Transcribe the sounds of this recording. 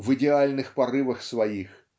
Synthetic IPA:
vɨdʲɪalʲnɨxpɐɾɨvəxsvɐjix

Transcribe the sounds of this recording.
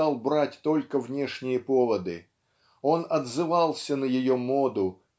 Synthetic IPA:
ɑlˠbɾatʲt̪o̞lʲkəvnʲe̞ʂnʲɪjəpo̞vəd̪ɨ̰ | o̞nɐd̪zɨvɑlˠsʲənəjɪjomo̞d̪ʊ

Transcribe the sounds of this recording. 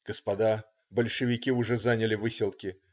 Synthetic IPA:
ɡ̥əspɐd̪a | bəlʲʂɨvʲɪkʲiʊʐɛzanʲɪlʲɪvɨsʲɪlˠkʲɪ

